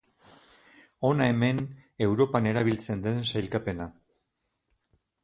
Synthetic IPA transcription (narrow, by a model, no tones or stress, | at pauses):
o̞naeme̞ne̞wɾo̞pane̞ɾaβ̞ilt͡se̞nd̪ensajlkape̞na